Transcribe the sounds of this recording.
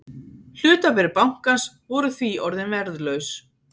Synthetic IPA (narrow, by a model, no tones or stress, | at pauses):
l̥ʏːt̪apɛɾɪpawŋ̥kas | vɔɾʏθviɔɾðɪnvɛɾðlœɥs